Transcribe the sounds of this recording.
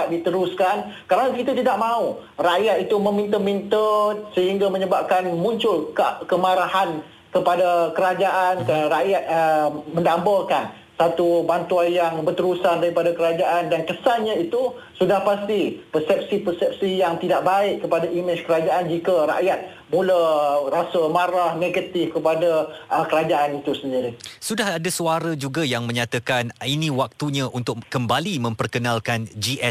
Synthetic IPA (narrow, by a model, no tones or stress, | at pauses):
at̪̚dit̪əɾuskankaɾanakit̪at̪̬idaʔmãu | raʔjat̪it̪umə̃mĩnt̪əmint̪əsəɦiŋɡaməɲəbap̚kanmũɲt͡ʃʊlkəmaɾahan | kəpadakəɾad͡ʒaʔankaɾaʔjat̪̚mə̃ndambakan | sat̪ubant̪uanjaŋbərt̪əɾusandaɾipadakəɾad͡ʒaʔandankəsanɲãit̪u | sudahpast̪ipərsɛp̚sipəsɛp̚sijaŋt̪idaʔ̚baɪʔkəpadaʔimɪt͡ʃkəɾad͡ʒaand͡ʒikaɾa̰ʔjat̪̚ | mularasəmaɾahneɡat̪ɪfkəpadaəkəɾad͡ʒaʔanit̪usəndiɾisudaɦadasuaɾəd͡ʒuɡajaŋmə̃ɲãt̪akaninĩwak̚t̪uɲãʔunt̪ʊk̚kəmbalimə̃mpərkənalkand͡ʒiʔɛ